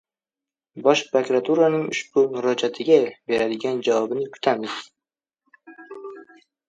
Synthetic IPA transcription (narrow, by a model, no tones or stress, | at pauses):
bɒʃpɾokɾat̪ʰuɾanɪŋʊʃb̥ʊmʊɾɒd͡ʒat̪ʰɪɡʲabe̞ɾad̪ɪɡʲand͡ʒavɒbɪnɪkʰʊ̥t̪ʰamɪz̥